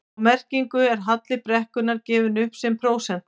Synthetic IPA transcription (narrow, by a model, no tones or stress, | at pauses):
mɛr̥ciŋkʏɛɾ̥ɦat̪lɪpɾɛhkʏnaɾcɛːvɪnʏhpsɛmpʰɾoːwsɛn̥t̪